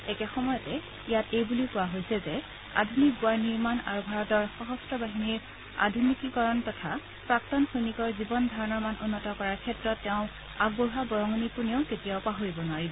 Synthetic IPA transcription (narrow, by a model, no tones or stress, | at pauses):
ɛkɛxɔmɔjɔtɛ | ijatejbuliʊkʊwaɦojsɛzɛ | a̰dʱunik̚ɡʊaɹniɹmana̰ɹubʱaɹɔtɔɹxɔɦɔstɹɔbaɦiniɹ | a̰dʱunikikɔɹɔntɔtʰa | pɹaktɔnxojnikɔɹzibɔndʱaɹɔnɔɹmanʊnːɔtɔkɔɹaɹkʰɛtɹɔtːɛʊ̃ | aɡ̚boɹɦabɔɹɔŋɔnipunioʊketijaʊpaɦoɹibɔnaɹibɔ